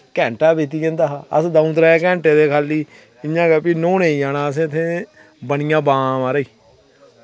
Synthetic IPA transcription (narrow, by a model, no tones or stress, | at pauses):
kɛ̃ːɳʈaːbeːt̪̬iːẽːnd̪aːɦaːə̰sd̪ãũːt̪ɾaːeːkɛ̃ːɳʈeːd̪eːkʰaːlːiː | ɪjãːɡaːpiːnoːneːiːaːnãːəs̬ẽːt̪ʰːẽː | bəɳɪjãːbãːmaːɾəiː